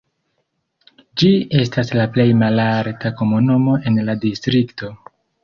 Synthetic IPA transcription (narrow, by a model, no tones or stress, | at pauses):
d͡ʒie̞staslaple̞jmalaɾtako̞muno̞mo̞ʔe̞nladistɾikto̞